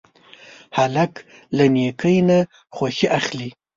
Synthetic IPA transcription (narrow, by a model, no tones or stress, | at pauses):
halak | lanekʰəjna | xwaxiʔaxli